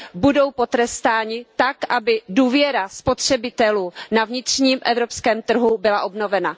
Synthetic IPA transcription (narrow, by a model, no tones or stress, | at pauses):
budo̞wpo̞t̪ɾɛst̪aːɲɪt̪akʔabɪduːvjɛɾaspo̞t̪r̝̥ɛbɪt̪ɛluːnavɲɪt̪r̝̥ɲiːmʔɛvɾopskɛːmt̪r̩ɦubɪlaʔo̞bno̞vɛna